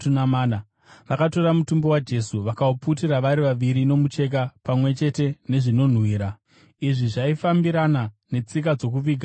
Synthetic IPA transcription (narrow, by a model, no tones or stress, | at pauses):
tunamaːna | ʋakato̞ɾamutumbo̞wad͡ʒe̞suʋakauput̬iraʋaɾiʋaʋiɾino̞mut͡ʃe̞k̬apamwe̞t͡ʃe̞te̞ne̞ʐino̞n̤wiːɾa | iʐiʐaifambiɾana | ne̞t͡sik̬ad͡zo̞kuʋiːɡʱa